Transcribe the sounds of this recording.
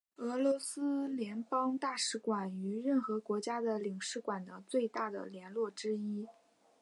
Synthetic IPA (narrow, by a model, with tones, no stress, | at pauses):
ɤ˧˥lwɔ˧˥sɹ̩˥ljɛ˧˥npɑ˥ŋt̪a˥˩ʂɻ̩˧˥kwa˨˩ny˧˥ɻə˥˩nxɤ˧˥kwɔ˧˥t͡ɕja˥d̪ə˨li˨˩ŋʂɻ̩˥˩kwa˨˩nd̪ə˧t͡swe˥˧ɪt̪a˥˩d̪ə̰˩ljɛ˧˥nlwɔ˥˩ʈ͡ʂɻ̩˥i˥